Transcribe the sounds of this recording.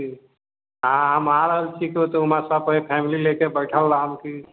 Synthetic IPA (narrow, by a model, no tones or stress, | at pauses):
i | ɦãɦəmaɾəɦəlt͡ʃʰikot̪ɔumãsapəɦipʰɛmililekebəjʈʰəlːaɦəmki